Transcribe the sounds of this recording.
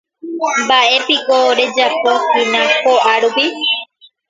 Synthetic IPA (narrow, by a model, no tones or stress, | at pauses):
baʔe̞pikoɾe̞d͡ʒapokinãkoʔaɾupi